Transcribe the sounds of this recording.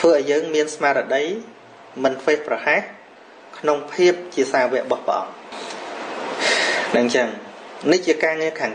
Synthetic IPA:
t̪ʰʋəːʔaɔjəːŋmiənsmaːɾəɗəj | mɨnt̪ʰʋeːhprɑhah | kʰnoŋpʰiəp̚t͡ɕiəsaːʋɛ̆əʔɓɑhpə̰̆ʔɑ̰ŋ | ɗɨɲt͡ɕəŋniht͡ɕiəkaːŋiəkʰaːŋ

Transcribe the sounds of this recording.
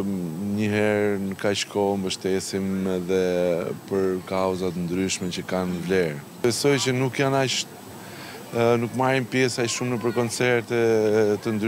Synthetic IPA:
ɲəɦɛɾnəkːaʃkʰɔmbəʃt̪ɛsimɛðɛpəɾkawzat̪ənd̪ɾyʃmɛt͡ʃəkanvlɛɾ | fɛsɔjt͡ʃənukjanaʃt̪ | nukmaɾimpjɛsaʃumnəpəɾkɔnt͡sɛɾt̪ɛt̪ənd̪ɾ

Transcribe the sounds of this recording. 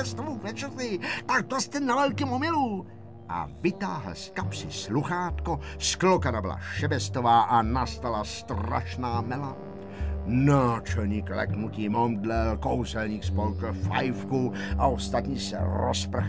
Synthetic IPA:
ɛst̪ovuvɛt͡ʃɛzɪt̪aɡ̚d̪ast̪ɛnavɛlkɪmomɪluː | ʔa̰vɪt̪aːɦl̩skapsɪsluxaːt̪kosklokanabɪ̰la̰ʃɛbɛst̪ovaːʔanast̪alast̪ra̰ʃnaːmɛla | naːt͡ʃɛlɲiːklɛ̰knuc̪iːmomdlɛlkowzɛlɲiːxspolkfa̰jfkuʔaost̪at̪ɲiːsɛ̰ɾo̰sp̩x

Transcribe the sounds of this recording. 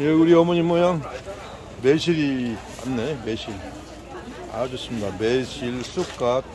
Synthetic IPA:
jeuɾiʌmʌɲimʌɲaŋ | meɕʰiɾi | a̰nːeme̞ɕʰiɾ | a̰d͡ʑʌs͈ɯmɲidameɕʰiɭs͈ʰuk̚k͈at̚

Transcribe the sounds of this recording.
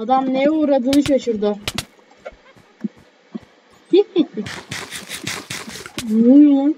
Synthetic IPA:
ad̪amnejuːɾad̪ɯːnɯʃaʃuɾd̪ʊ | muu

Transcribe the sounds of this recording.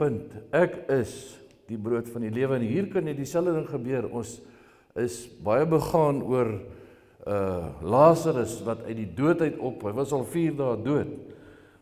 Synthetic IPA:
pəntækəs | d̥ibruətfɐniliəvənɦiːrkɐnjɛdisælədəŋχəbyəɾɔns | əsbɐjəbəχɑːnuər | əlɑːsəɾəsvɐtœɥt̚diduətɦœɥtʰɔpɦəjvɐsɐlˠfiːrdɑːduət

